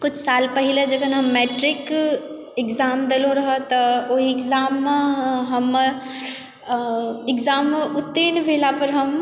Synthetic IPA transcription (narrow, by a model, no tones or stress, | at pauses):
kʊt͡ʃʰsaːlpɐɦiled͡ʒɐkənɦɐmːeːʈɾɪk | ɪkzaːmd̪elõɾɐɦət̪ɐoɦiɪkzaːmːɦɐm | ɪkzaːmːʊt̪ːinʋʱeːlapɐɾɦɐm